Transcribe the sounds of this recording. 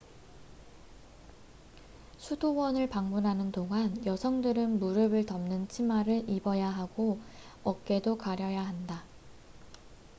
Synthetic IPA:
sʰudowʌnɯɭpaŋmunɦanɯndoŋanjʌsʰʌŋdɯɾɯnmuɾɯbɯɭtʌmnɯnt͡ɕʰimaɾɯɭibʌjaɦaɡoʌk̚k͈e̞dokaɾjʌjaɦanda

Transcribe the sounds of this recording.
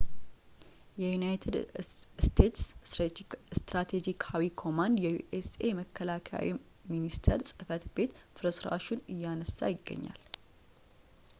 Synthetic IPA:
jɛjunajt̪ʰed̪st̪ʰe̞t̪s | st̪ɾat̪ʰed͡ʒikʰawikʰo̞mand̪jɛjuʔese̞məkʰːəlakʰa̰wḭ | minist̪ʰəɾsʼɨfət̪be̞t̪fɨɾəsɾa̰ʃunɨjːanəsːa̰jɪɡːə̰ɲːa̰l

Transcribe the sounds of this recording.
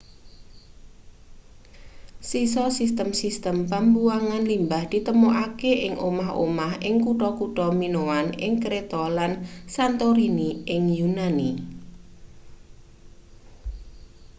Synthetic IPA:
sisɔsist̪əmsist̪əmpambuaŋanlimbahd̪̥i̤t̪əmoʔakeʔɪŋʔomaɦo̰mahɪŋkuʈɔkuʈɔminowanɪ̰ŋkɾet̪ɔlansant̪oɾiniɪŋjunani

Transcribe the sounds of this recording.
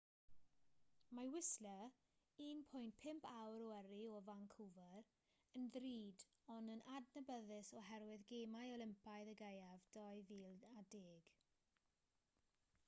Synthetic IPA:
mawɪslə | iːnpʰʊjntpʰɪmpʰawɾɔəɾiɔvaŋkʰuvəɾ | ənðriːd | ɔnənʔadnəbəðɪsɔɦɛɾwɪðɡeːmajɔlɪmpajðəɡejavd̥ɔjviːlˠadeːɡ̥

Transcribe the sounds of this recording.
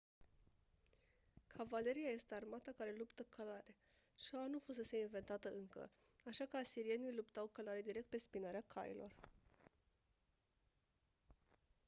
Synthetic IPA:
kʰavale̞ɾijaje̞st̪e̞armat̪akaɾe̞lupt̪əkʰalaɾe | ʃanufus̬e̞se̞inve̞nt̪at̪əɨŋkə̰ | aʃakəasiɾie̞nijlupt̪awkalaɾed̪iɾek̚t̪̚pe̞spinaɾeakʰa̰jḭlʔo̞̰r

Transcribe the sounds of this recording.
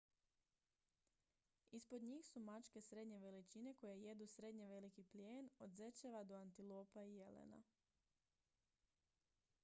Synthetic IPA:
ispo̞d̪ɲiːxsumat͡ʃke̞sɾe̞d̪ɲe̞ʋe̞lit͡ʃine̞ko̞jeje̞d̪usɾe̞d̪ɲeʋe̞likipljeːnod̪ze̞t͡ʃeʋad̪o̞ant̪ilˠoːpaije̞lḛna̰

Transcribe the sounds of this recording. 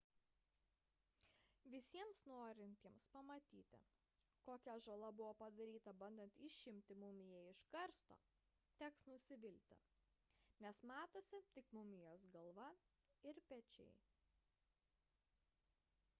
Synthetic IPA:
ʋʲɪsʲiɛmsnoːɾʲɪnʲt̪ʲiɛmspɐmɐt̪ʲiːt̪ʲɪ̰ | koːkʲɛʒɐlˠɐbʊʋoːpɐd̪ɐɾʲiːt̪ɐbɐnʲd̪ʲɛnt̪ɪʃʲʃʲɪmʲt̪ʲɪmʊmʲɪjɛɪʃkɐɾst̪o̰ː | t̪ʲɛksnʊsʲɪʋʲɪlʲt̪ʲɪ̰ | nʲɛsmɑːt̪oːsʲɪt̪ʲɪkmʊmʲɪjoːsɡɐlˠʋɐ | ɪɾpʲɛt͡ʃʲɛ̰ɪ

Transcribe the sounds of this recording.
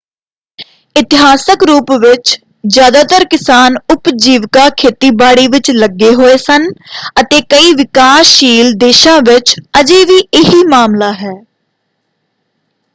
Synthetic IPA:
ɪt̪ɪɦaːsəkɾuːpʋɪt͡ʃ | zjaːd̪aːt̪əɾkɪsaːnʊpd͡ʒiːʋkaːkʰeːt̪iːbaːɽiːʋɪt͡ʃləɡːeːɦoːeːsənət̪eːkəiːʋɪkaːsʃiːld̪eːʃãːʋɪt͡ʃəd͡ʒeːʋiːʔɪɦiːmaːmlaːɦɛː

